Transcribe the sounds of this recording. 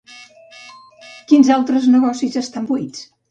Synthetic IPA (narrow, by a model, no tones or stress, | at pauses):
kinzalˠt̪ɾəznəɣɔsizəst̪ambuit͡s